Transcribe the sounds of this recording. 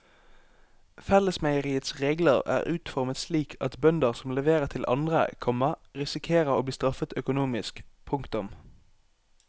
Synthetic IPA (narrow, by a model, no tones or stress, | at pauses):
fɛləsmæɪəʁiːət̪sʁeːɡləʁæ̰ːʁʉːt̪fɔʁmət̪sliːkʰɑt̪bœnd̪əʁsɔmlɛʋeːʁət̪ʰɪlʔɑ̰nd̪ʁə̰kʰɔməʁɪsɪkʰeːʁəʁoːbliːst̪ʁɑfət̪œkʊnuːmɪskpʰʊŋkt̪ʊm